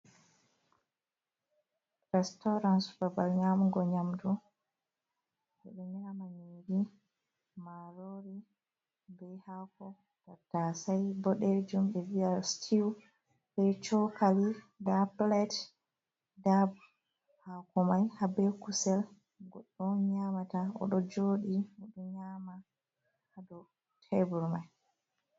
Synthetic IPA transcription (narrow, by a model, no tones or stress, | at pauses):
ɾɛstɔɾansbabalɲamuɡɔɲamdu | hɛɗɛniɾamaɲiːɾi | maɾoɾi | bɛhakɔ | tatasajbɔɗɛd͡ʒumɓɛviastʰiw | ɓɛt͡ʃɔkali | daplɛt | dab | hakɔmajhabɛkusɛl | ɡɔɗːɔɲamataɔ̰ɗɔd͡ʒoːɗiɔɗɔɲama | hːdɔ | tʰɛbuɾmaj